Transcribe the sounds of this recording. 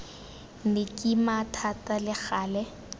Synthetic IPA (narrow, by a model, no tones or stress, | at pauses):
nɪkʼimatʰatʼalɪχaːlɛ